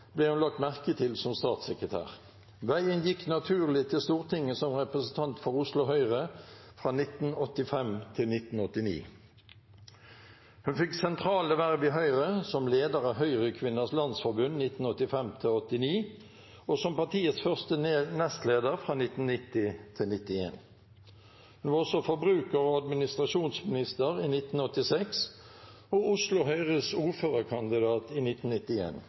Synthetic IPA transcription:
blɛːhʉnlɑk̚t̪mæʁkət̪ʰɪlsɔmst̪ɑːt̪sɛkʁət̪ʰæ̰ːʁ | ʋæɪənjɪkːnɑt̪ʰʉːʁlɪt̪ʰɪlst̪uːʁt̪ʰɪŋːəsɔmʁɛpʁəsənt̪ʰɑnt̪fɔʁʊslʊɦœʏʁəfʁɑːnɪt̪n̩ɔt̪ːɪfɛmt̪ʰɪlnɪt̪n̩ɔt̪ːɪnḭː | hʉnfɪksɛnt̪ʰʁɑːləʋæʁʋɪɦœʏʁəsɔmleːd̪əʁɑːɦœʏʁəkʰʋɪnːəslɑnsfɔʁbʉnnɪt̪n̩ɔt̪ːɪfɛmt̪ʰɪɔt̪ːɪniː | oːsɔmpɑʁt̪ʰiːət̪sfœʁst̪ənɛst̪leːd̪əʁfʁɑːnɪt̪n̩nɪt̪ɪt̪ʰɪlnɪt̪ɪḛːn | hʉnʋɑːʁɔsɔfɔbʁʉːkəʁɔːɑd̪mɪnɪst̪ʁɑʃuːnsmɪnɪst̪əʁiːnɪt̪n̩ɔt̪ːɪsɛks | oʊslʊɦœʏʁəsuːʁføːʁəkʰɑnd̪ɪd̪ɑːt̪iːnɪt̪nnɪt̪ɪḛːn

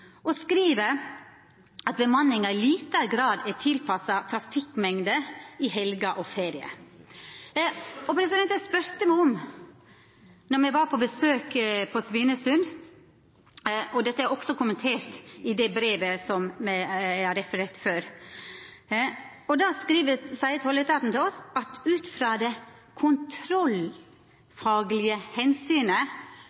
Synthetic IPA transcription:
ʔɔskɾiːʋə | ɑt̪̚bəmɑnːɪŋɑɪliːt̪əɡɾɑːd̪æt̪ʰɪlpʰɑsɑt̪ʰɾɑfɪkmɛŋd̪əɪhɛlɡɑʔɔfeːɾɪə̰ | ɔpʰɾɛsɪd̪ɛnt̪æspʉɾt̪əmæɪɔm | nɔɾmɛʋɑɾpʰɔbəsøːkpʰɔsʋɪnəsʉn | ʔɔd̪ɛt̪ːəæɾɔksɔkʊmənt̪ʰeːɾt̪ɪd̪ɛbɾeːʋəsɔmmæɪhɑɾɛfəɾeːt̪føːɾ | ɔd̪ɑːskɾiːʋəsæɪt̪ʰɔlət̪ɑːt̪n̩t̪ɪlɔsɑt̪ʉːt̪fɾɑːd̪ɛ | kʰʊnt̪ʰɾɔl | fɑːɡlɪəhɛnsyːnə

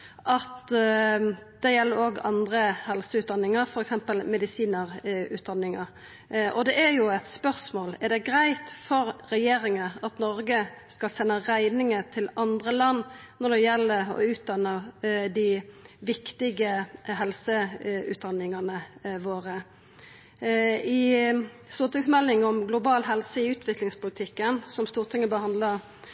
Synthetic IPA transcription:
ʔɑt̪ | d̪̥ɛjɛlːəɾoːɡɑnd̪ɾəhɛlsəʉːt̪̚d̪ɑnːɪŋəɾfɔɾɛksɛmpəlmɛd̪ɪsiːnəɾʉ̰ːt̪̚d̪ɑnːɪŋəɾ | ʔɔd̪ɛʔæɾjʊɛt̪spœʁsmoːlɛɾɖ̪ɛɡɾæɪt̪fɔɾɾɛjeːɾɪŋəɑt̪nɔɾɡəskɑlsɛnːəɾæɪnɪŋət̪ʰɪlɑnd̪ʁəlɑnː | nɔd̪ɛjɛlːəɔ̰ʉːt̪̚d̪ɑnːəd̪ɪʋɪkt̪ɪɡəɦɛlsəʉ̰ːt̪̚d̪ɑnːɪŋɑnəʋoːʁə | ɪ | st̪uːʁt̪ɪŋsmɛlːɪŋɔmɡlʊbɑːlɦɛlsəɪʉːt̪ʰʋɪklɪŋspʊlɪt̪ʰɪkːənsɔmst̪uːʁt̪ʰɪŋːəbəhɑnd̪lə

